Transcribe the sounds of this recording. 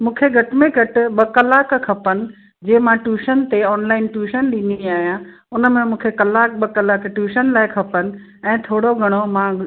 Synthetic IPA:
mũːkʰeɡʱɐʈɪmẽɡʱɐʈɪ̆ɓɐkɐlaːkkʰɐpənɪ̆ | d͡ʑeːmãʈuːʃənt̪eɔːnlaːɪnʈuːʃənɗiniaːɦijã | ʊnə̆mẽmũːkʰekɐlaːk̚ɓɐkɐlaːkʈjuːʃənlaːɪkʰɐpənɪ̆ | ɛ̃ːt̪ʰoːɽoɡʱɐɽ̃omã

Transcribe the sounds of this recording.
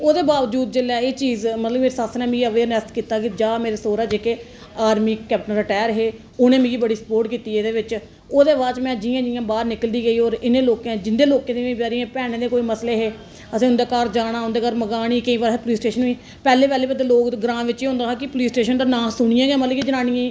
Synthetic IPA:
oːd̪eːbaːʋd͡ʒuːd̪̚d͡ʒelɛːeːt͡ʃiːzmət̪ləbmeːɾesasnɛ̃ːmĩːɡəʋeːnɛst̪kiːt̪aːkɪd͡ʒaːmeːɾeːsoːɾaːd͡ʒeːkeː | aːɾmiːkɛːpʈənɾəʈɛːəɾɦeː | onẽːmĩːɡiːbəɽiːsə̥poːɾʈkiːt̪iːɛːd̪eːʋɪt͡ʃ | oːd̪eːʋaːt͡ʃmɛ̃ːd͡ʒɪjãːd͡ʒɪjãːbaːɾnɪkəld̪iːɡəiːɔːɾɪnẽːloːkãːd͡ʒɪnd̪eːloːkẽːd̪eːẽpaːɾijãːpɛːɽ̃ẽːd̪ẽːkoːiːməsleːɦeː | əsẽːʊ̃nd̪eːkaːɾd͡ʒaːɽ̃aːɦʊ̃nd̪eːkaːɾməɡaːɽ̃iːkəĩːbaɾpliːsʈeːʃənuiː | pɛːleːpɛːleːbəd̪eloːk̪ɡɾãːʋɪt͡ʃiːɦõːnd̪aːɦãːkɪpʊliːsʈeːʃənt̪aːnãːsʊɳɪjãːɡẽːmət̪ləbkid͡ʒənãːnĩjẽː

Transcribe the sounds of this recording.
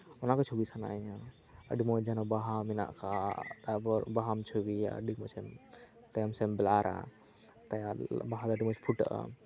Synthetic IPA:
ɔnakat͡ʃʰubisana̰ɲa | ə̰ɖimɔd͡ʒanɔbaɦamina̰ʔka | ɾbaɦamt͡ʃʰubia̰ə̰ɖikmɔt͡ʃʰɛm | t̪ajamsɛmbɛlaɾa̰ | t̪ajbaɦad̪aɖimɔt͡ʃʰpʰuʈʔa̰

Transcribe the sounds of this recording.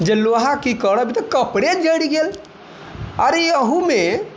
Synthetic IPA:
d͡ʒeloɦãkikəɾɽəbit̪ɔkəpɽed͡ʒəɽiɡel | aɾiəɦũme

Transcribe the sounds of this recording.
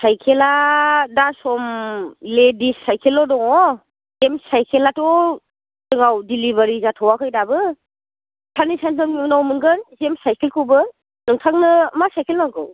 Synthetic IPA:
sajkʰeladasɔmledisajkʰelɔdɔŋɔ | zemsajkʰelatɔ | dɯŋawdilibaɾizatʰɔwakʰɯjdabɯ | tʰanisantɯminawmɯŋɡɯnzemsajkʰelkʰɯwbɯ | nɯŋtʰaŋnɯmasajkʰelnaɡɯw

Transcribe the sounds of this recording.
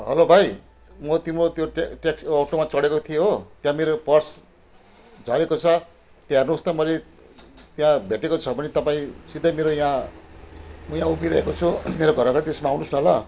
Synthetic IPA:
ɦʌlobʱaj | mʌt̪imɾot̪joʈʈeksːʈomat͡sʌɽekot̪ʰijeɦot̪jãmeɾopʌrs | d͡zʱʌɾekot͡sʰʌ | t̪jãernust̪ʌmʌle | t̪jãbʱeʈekot͡sʰʌbʱʌnit̪ʌpaĩsid̪ʱʌjmeɾojã | mjãupiɾʌɦekot͡sʰumeɾoɡʱʌɾʌɡʌt̪esmaawnusnʌlʌ

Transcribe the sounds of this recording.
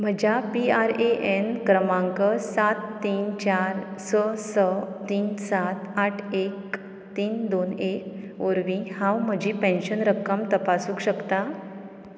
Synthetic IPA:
m̤əd͡ʑapiaɾeʔenkɾəmãŋkəsat̪ːiːnt͡ɕaɾsəsət̪iːnsat̪aʈʰek̚ | t̪iːnd̪onekoɾʋĩhãwm̤əd͡ʑiːpẽnɕənɾəkːəmt̪əpasũːkɕəkt̪a

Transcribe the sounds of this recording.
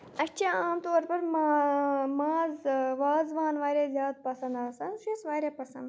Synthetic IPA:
ɐt͡ʃʰaaːmt̪oːɾpɐɾmamaːzʋaːzʋaːnʋaːɾʲeːzjaːd̪̚pɐsɐ̃nd̪aːsanʃisʋaːɾʲeːpɐsɐ̰̃nd̪

